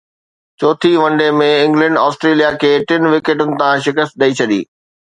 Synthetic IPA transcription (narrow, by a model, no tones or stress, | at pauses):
t͡ɕoːt̪ʰiʋɐ̃ɳɖemẽɪ̃ŋɡlə̃ɳɖɔːsʈɾeːlijakʰeːʈɪn̆ʋɪkeːʈʊnɪ̆t̪ãʃɪkəst̪̚ɗ̪ɐit͡ɕʰɐd̪ḭː